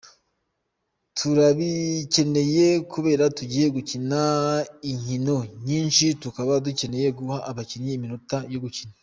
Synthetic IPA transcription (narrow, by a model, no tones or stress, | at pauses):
tʰuɾaβice̞ne̞je̞kʰuβe̞ːɾatuɟiːje̞ɡucinaiɲino̞ɲiːnʃitukaβaduce̞ne̞je̞ɡuhaʔːβaciɲiːminutajo̞ɡucina